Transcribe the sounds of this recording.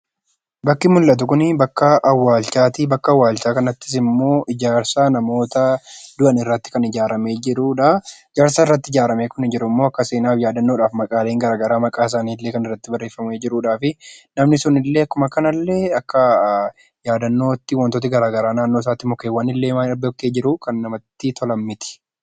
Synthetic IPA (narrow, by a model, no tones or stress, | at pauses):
bɐkːɪmʊlːɐt̪̬ʊkʊnɪbɐkːɐɐwːaːlt͡ʃaːt̪ibɐkːɐɐwːaːlt͡ʃaːkɐnɐt̪ːɪ̥s̬ɪmːo̞ːʔɪd͡ʒaːɾsaːnɐmo̞ːt̪ɐd̪ʊʔɐnɪrːɐt̪ːɪ̥kɐnɪd͡ʒaːɾɐme̞ːd͡ʒɪɾuːᶑaɪd͡ʒaːɾsaːɪrːɐt̪ːɪd͡ʒaːɾɐmeːkʊnɪd͡ʒɪɾʊmːoːɐkːɐse̞ːnaːfjaːd̪ɐnːo̞ːᶑaːfmɐkʼaːleːŋɡɐɾaːɡɐɾaːmɐkʼaːɪs̬aːniːlːe̞ːkɐnɪrːɐt̪ːɪbɐrːeːfːɐmeːd͡ʒɪɾuːᶑaːfɪnɐmnɪsʊnɪlːe̞ːɐkːʊmɐkɐnɐlːe̞ːɐkːɐ | jaːd̪ɐnːo̞ːt̪ːɪwɐnt̪ot̪ɪɡɐɾaːɡɐɾaːnaːnːoːs̬aːt̪ːɪmɔkeːwaːnɪlːe̞ːmaɐbɔk̚t̪eːd͡ʒɪɾʊkɐnːɐmɐt̪ːɪt̪ʰɔlɐmːɪt̪ɪ̥